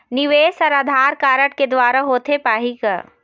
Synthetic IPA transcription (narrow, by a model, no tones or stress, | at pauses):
nɪʋeːsɐɾɐd̪ʱaːɾkaːɾəʈked̪ʋaːɾaɦoːt̪ʰepaːɦika̰